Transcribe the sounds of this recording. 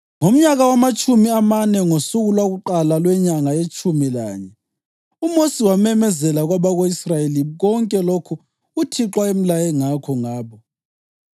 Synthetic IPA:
ŋom̩ɲaɣawamat͡ʃʼumiamanɛŋosuɣulwaɣuǃalalwɛɲaŋajet͡ʃʼumilaːɲɛ | umosiwamɛmɛzɛlaɣwaβaɣoisrajeliɣɔŋkʼɛlokʰu | utʰiǁwaem̩lajɛŋakʰɔŋaːβɔ

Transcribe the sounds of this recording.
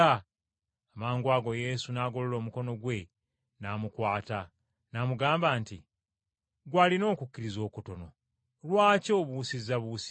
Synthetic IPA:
a | amaːŋɡwaːɡo̞je̞sunaːɡo̞lolo̞ːmuko̞no̞ɡwe̞ | namukwaːta | namuɡaːmbaːnti | ɡwalino̞ːkukːiɾizo̞ːkuto̞no̞ | lwaːco̞ːβuːsizaβuːs

